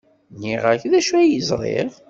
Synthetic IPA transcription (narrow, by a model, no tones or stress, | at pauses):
niʁəçðæʃuæjəzˤɾˤḛʁ